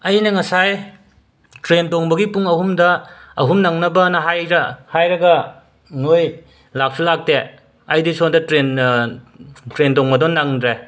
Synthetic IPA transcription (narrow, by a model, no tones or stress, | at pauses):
ɐjnɐŋɐsaj | tɾentoŋbɐɡipuŋɐhumdɐːɦumnaŋnɐbɐnɐɦajɾɐhajɾɐɡɐ | ŋoj | lak̚sʰulak̚te | ɐjdisondɐtɾen | tɾentoŋbɐdonaŋdɾe